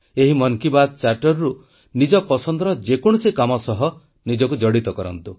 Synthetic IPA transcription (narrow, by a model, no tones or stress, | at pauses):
eɦimɔŋkibad̪̚t͡ʃaɾʈɔɾɾu | nid͡ʒɔpɔsɔnd̪ɾɔd͡ʒekɔɽ̃usikɔmɔsɔɦɔ | nid͡ʒɔkud͡ʒɔɽit̪ɔkɔɾɔ̰nt̪u